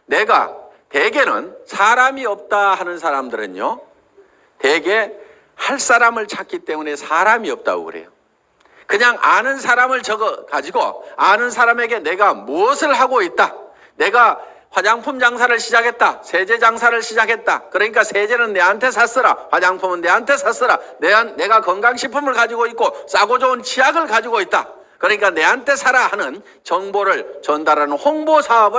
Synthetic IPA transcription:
ne̞ɡa̰te̞ɡe̞nɯ̰nsʰaɾamiʌp̚t͈ahanɯnsʰaɾamdɯɾɯ̰ɲjo̰ | te̞ɡe̞ | haɭs͈aɾamɯɭt͡ɕʰak͈it͈e̞mune̞sʰaɾamiʌp̚t͈a̰ɡo̰ɡɯ̰ɾe̞̰jo̰ | kɯɲaŋʔa̰nɯnsʰaɾamɯɭt͡ɕʌɡʌkad͡ʑiɡo̰anɯnsʰaɾame̞ɡe̞ne̞ɡamuʌsʰɯɭɦaɡoit̚t͈a | ne̞ɡa | wad͡ʑaŋpʰumd͡ʑaŋsʰaɾɯɭɕʰid͡ʑakʰe̞t̚t͈asʰe̞d͡ʑe̞d͡ʑaŋsʰaɾɯɭɕʰid͡ʑakʰe̞t̚t͈a̰kɯɾʌɲik͈asʰe̞d͡ʑe̞nɯnːe̞antʰe̞sʰas͈ɯɾa̰ɸwad͡ʑaŋpʰumɯnːe̞ɦantʰe̞sʰas͈ɯɾaneanːe̞ɡakʌŋɡaŋɕʰipʰumɯɭkad͡ʑiɡoit̚k͈os͈aɡod͡ʑʌunt͡ɕiaɡɯɭkad͡ʑiɡoit̚t͈a̰ | kɯɾʌɲik͈ane̞antʰe̞sʰaɾahanɯn | t͡ɕʌŋboɾɯɭt͡ɕʌndaɾanɯnhoŋbosʰaʌbɯ

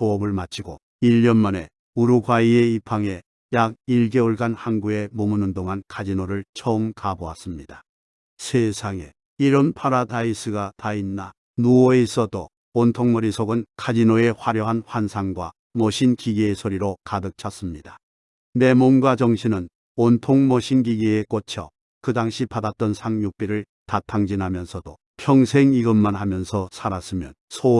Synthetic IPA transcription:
poʌbɯɭmat͡ɕʰiɡo | iʎːʌnmʌne̞ | uɾuɡwaie̞ipʰaŋe̞ | jaɡ̚iɭɡe̞uɭɡanhanɡue̞mumunɯndoŋankʰad͡ʑinoɾɯɭt͡ɕʰʌɯmkaboa̰s͈ɯmɲida | sʰesʰaŋe̞ | iɾɯnpʰaɾadais͈ʰɯɡatainːa | nuwʌeis͈ʌdo | ontʰoŋmʌɾisʰoɡɯnkʰad͡ʑinoe̞ɸwaɾjʌɦanɸwansʰaŋɡwa̰ | mʌɕʰinkiɡiesʰoɾiɾokadɯk̚t͡ɕʰas͈ɯmɲida | me̞monɡwad͡ʑʌŋɕʰinɯn | ontʰoŋmʌɕʰinɡiɡiek͈ot͡ɕʰʌ̰ | kɯdaŋɕʰipadat̚t͈ʌnsʰaŋjuk̚p͈eɾɯɭ | tatʰaŋd͡ʑinɦamjʌnsʰʌdo | pʰjʌŋsʰeŋiɡɯmːanhamjʌnsʰʌsʰaɾas͈ɯmjʌnsʰo

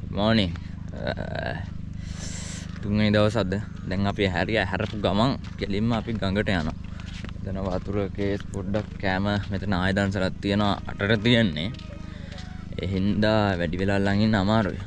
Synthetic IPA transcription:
ɡumɔːniŋ | t̪uŋenid̪aʋəsad̪ə | d̪ɛŋapiɦæɾiəɦæɾəpuɡamaŋkelimːəapiɡaŋɡəʈəjana̰ | met̪ənəʋat̪uɾəkeːspoɖːakːæːməmet̪ənəaːjəd̪ans̬əlat̪ːijənoʋa̰ːʈəʈət̪ijənːe | ḛɦind̪aʋæɖiʋelalaŋinːəamaːɾṵʋḭ

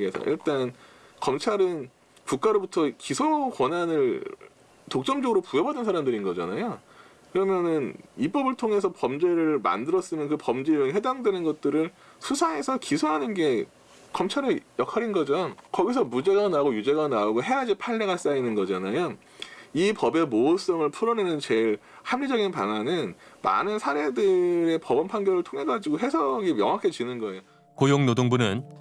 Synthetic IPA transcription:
ɡesʰa̰ʔḭɭt͈an | kʌmt͡ɕʰaɾɯn | puk͈̚aɾobutʰʌkisʰokwʌnanɯɭ | tok̚t͡ɕ͈ʌmd͡ʑʌɡɯɾopujʌbadɯnsʰaɾamdɯɾinɡʌd͡ʑa̰najo | kɯɾʌmjʌnɯnip͈ʌbɯɭtʰoŋe̞sʰʌpʌmd͡ʑe̞ɾɯɭma̰ndɯɾʌs͈ɯmjʌnkɯpʌmd͡ʑeonhwe̞daŋdwenɯnɡʌt̚t͈ɯɾɯɭ | sʰusʰae̞sʰʌkisʰoɦanɯnɡe̞ | kʌmt͡ɕʰaɾɯɭjʌkʰaɾinɡʌd͡ʑokʌɡisʰʌmud͡ʑe̞ɡanaɡojud͡ʑe̞ɡanaoɡoɦe̞ɦad͡ʑipʰaɭːe̞ɡas͈ainɯnɡʌd͡ʑanajo | ipʌbe̞moːs͈ʌŋɯɭpʰuɾʌnenɯnt͡ɕe̞ɭ | hamʎid͡ʑʌɡinpananɯnma̰nɯnsʰaɾe̞dɯɾe̞pʌbʌnpʰanɡjʌɾɯɭtʰoŋɦe̞ɡad͡ʑiɡoɦe̞sʰʌɡimjʌ̰ŋɦakʰe̞t͡ɕinɯnɡʌe̞jo | kojoŋnodoŋbunɯn

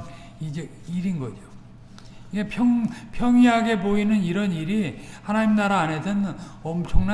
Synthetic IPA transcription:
id͡ʑe | iɾinɡʌd͡ʑo | iɡepʰjʌŋpʰjʌŋiɦaɡe̞poinɯniɾʌniɾi | hanaɲimnaɾaːne̞dʌnʌmt͡ɕʰʌŋna

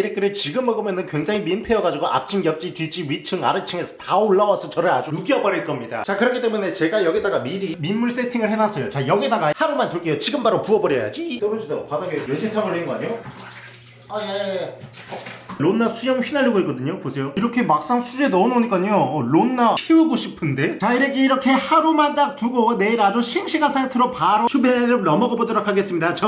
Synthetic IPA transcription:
iɾek͈ɯɾɯɭt͡ɕiɡɯmːʌɡomjʌnɯnkwe̞ŋd͡ʑaŋiminpʰejʌɡad͡ʑiɡoʔa̰p̚t͡ɕʰimkjʌp̚t͡ɕ͈itɥit͡ɕ͈iɥit͡ɕʰɯŋa̰ɾɯt͡ɕʰɯŋe̞sʰʌtaoɭːʌwasʰʌt͡ɕʌɾɯɭa̰d͡ʑuɾuɡiʌbʌɾiɭk͈ʌmɲida̰t͡ɕakɯɾʌkʰit͈emune̞t͡ɕe̞ɡajʌɡidaɡamiɾimimːuɭs͈e̞tʰiŋɯɭhenas͈ʰʌjot͡ɕajʌɡidaɡahaɾumantɯɭk͈ejot͡ɕiɡɯmbaɾopuʌbʌɾjʌja̰d͡ʑit͈ʌɾʌd͡ʑidaɡopadaɡejed͡ʑetʰaŋɯɭɦenɡʌaɲjo | aje | ɭonːasʰujʌŋɥinaʎːiɡoik͈ʌdɯɲoposʰe̞joiɾʌkʰe̞mak̚s͈aŋsʰud͡ʑe̞nʌnoɲik͈aɲoːɭonːaɕʰiɯɡoɕʰipʰɯnde̞t͡ɕaiɾe̞ɡe̞iɾʌkʰe̞haɾumandak̚tuɡone̞iɾad͡ʑoɕʰiŋɕʰiɡasʰajtʰɯɾopaɾot͡ɕʰubeɾonʌmʌbʌbʌdʌɾokʰaɡe̞s͈ɯmɲidat͡ɕʌ

